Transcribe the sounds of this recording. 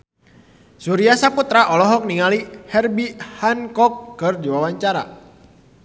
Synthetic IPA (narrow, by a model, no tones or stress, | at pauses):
suɾiasaput̪ɾaʔɔlɔɦɔk̚niŋalihɛrbihankɔkːərd͡ʒiwawaɲt͡ʃaɾa̰